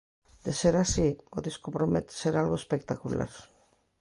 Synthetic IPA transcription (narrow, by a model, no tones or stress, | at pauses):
d̪̥eseɾasioðiskopɾomet̪seɾalɣo̞espekt̪akula̰ɾ